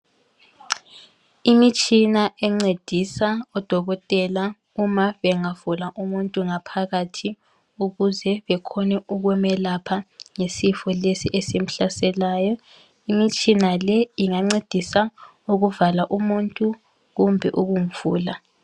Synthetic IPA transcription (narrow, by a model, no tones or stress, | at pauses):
imit͡ʃʼinaʔɛŋ͡ǀed̥ʱisaɔd̥ʱɔɣɔtʼɛla | umaβɛŋavulaʔumuntʼuŋapʰaɣatʰi | uɣuzɛβɛkʰɔnɛuɣwɛmɛlapʰaŋesifɔlesiʔesim̩ɬasɛlaːjɔ | imit͡ʃʼinalɛiŋaŋ͡ǀed̥ʱisa | uɣuvalaʔumuntʼu | ɣumbʱɛʔuɣum̩v̥uːla